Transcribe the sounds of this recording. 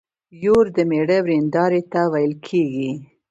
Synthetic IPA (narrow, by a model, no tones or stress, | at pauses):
joɾd̪əmeɽəwɾend̪ɑɾet̪awajəlkʰeɡi